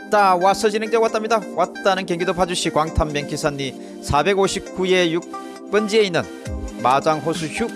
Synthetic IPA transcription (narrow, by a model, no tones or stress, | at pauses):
t͈awasʰʌd͡ʑinɯŋd͡ʑewat͈amɲidawat̚t͈anɯnkjʌŋɡidopʰad͡ʑuɕʰikwaŋtʰamːjeŋkʰisʰanːi | sʰabe̞ɡoɕʰip̚k͈uejuk̚ | p͈ʌnd͡ʑie̞inːɯn | mad͡ʑaŋɦosʰuçu